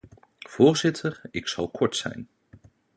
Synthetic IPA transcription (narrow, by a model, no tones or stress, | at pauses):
v̥ʊːɹzɪtʰəɹɪksɑlˠkʰɔɹtsɛ̰jn